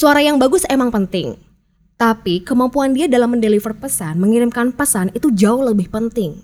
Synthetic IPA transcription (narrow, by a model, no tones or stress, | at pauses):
suaɾajaŋbaɡʊsemaŋpənt̪ɪŋ | t̪apikəmampuandiadalamːəndelifərpəsanməŋiɾɪmkanpəsanit̪ud͡ʒaʊhləbɪhpənt̪ɪŋ